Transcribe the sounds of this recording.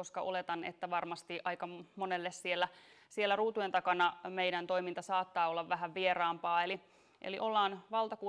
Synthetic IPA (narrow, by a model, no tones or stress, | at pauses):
oskɑʔolet̪ɑnḛt̪ːæʋɑrmɑst̪iʔɑijkɑmonelːessielːæ | sielːæruːt̪ujent̪ɑkɑnɑmeidænt̪oijmint̪ɑsɑːt̪ːɑːolːɑʋʋæɦæʋʋierɑːmpɑːeli | ʔḛliʔolːɑːnʋɑlˠt̪ɑku